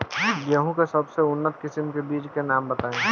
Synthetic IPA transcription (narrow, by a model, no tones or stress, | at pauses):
ɡjəɦũkesɐbseʊnːət̪kɪsɪmkebiːt͡ʃkenaːmbət̪aːẽ